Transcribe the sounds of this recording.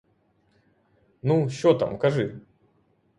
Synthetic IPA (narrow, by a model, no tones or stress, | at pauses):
nuɕʲɔt̪a̰mkaʐɨ